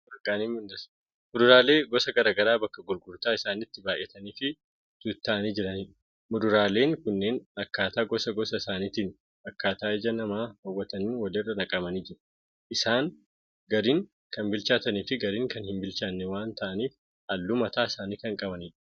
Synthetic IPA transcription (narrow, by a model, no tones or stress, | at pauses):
bɐkʼːaːniːmʊnd̪ɐs | mʊd̪ʊɾaːle̞ːɡɔsɐɡɐɾaːɡɐɾaːbɐkːɐɡʊɾɡʊɾt̪aːɪsaːnɪt̪ːɪbaːʔjʔɛt̪ɐniːfɪ | d̪̥ut̪ːaʔɐniːd͡ʒɪɾɐniːᶑ̥ | mʊd̪ʊɾaːle̞ːŋkʊnːe̞ːnɐkːaːt̪aːɡɔsɐɡɔsɐɪsaːniːt̪iːn | ɐkːaːt̪aːɪd͡ʒɐnɐmaːhɐwːɐt̪ɐninwɐlɪrːɐnɐkʼɐmɐniːd͡ʒɪɾɐ̥ | ʔɪsaːŋ | ɡɐɾiːŋ | kɐmbɪlt͡ʃaːt̪ɐniːfɪɡɐɾiːŋkɐnhɪmbɪlt͡ʃaːnːɪwaːnt̪ʰɐʔɐniːf | hɐlːuːmɐt̪aːɪsaːniːkɐŋkʼɐbɐniːᶑɐ̥